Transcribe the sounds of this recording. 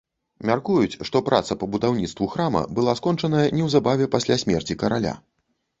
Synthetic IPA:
mʲarkujut͡sʲʂt̪ɔpɾʔa̰t̪sɐpɐbud̪awnʲit̪st̪vuxɾamɐ̰bɨlˠaskɔnt͡ʂɐnɐjɐnʲɛwzabavʲɛpasʲlʲasʲmʲɛrt͡sʲikɐɾalʲa̰

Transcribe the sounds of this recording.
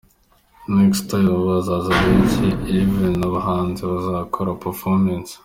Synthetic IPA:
nekstajββazazaβenciivenoβaɦaːnzeβazakʰoɾapefomens

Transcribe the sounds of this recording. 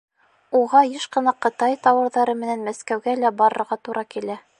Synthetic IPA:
uʁɑjɘʃqɤ̆nɑqɤ̆t̪ɑjt̪ɑwɤ̆ɾðɑɾɤmɘ̆nænmæskæwɡælæbɑɾɤ̆ɾʁɑt̪uɾʔɑkilæ

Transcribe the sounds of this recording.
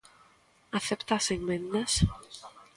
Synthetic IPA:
aθept̪aːseŋmẽnd̪ɐs

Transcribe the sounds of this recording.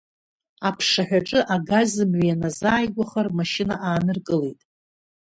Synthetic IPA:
apʰʂaħᶣʷaʈ͡ʂʼɨʔaɡazɨmɥjanazaːjɡʷaχarmaʃɪna̰ʔaːnɨrkʼɨlejtʼ

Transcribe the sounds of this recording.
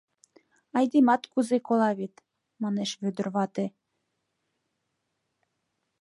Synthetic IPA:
ɑjd̪emɑt̪kuzekolɑβet̪ | mɑneʃβød̪ə̆rβɑt̪e

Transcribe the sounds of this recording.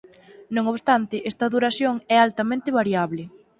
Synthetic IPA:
nõŋoβst̪ant̪ɪʔɛst̪ɐðuɾaθjoŋɛalt̪amẽnt̪ɪβaɾjaβlɪ

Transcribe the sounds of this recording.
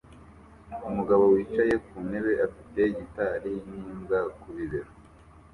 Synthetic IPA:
umuɡaβowiːt͡ʃaje̞kune̞βe̞ʔafite̞ɟitaɾiɲiːmɡakuβiβeɾo

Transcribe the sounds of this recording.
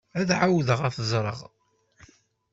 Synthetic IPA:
æðʕawðəʁæfzˤɾˤə̰ʁ

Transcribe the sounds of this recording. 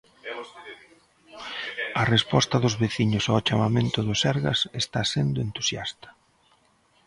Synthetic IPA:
ɐrespɔst̪ɐðʊzβeθiɲʊsat͡ʃamamẽnt̪ʊðʊsɛɾɣɐ̰sest̪asend̪ʊent̪u̥sjast̪ɐ̥

